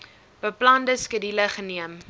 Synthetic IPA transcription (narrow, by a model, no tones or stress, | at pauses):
b̥əplɐndəskədiləχəniəm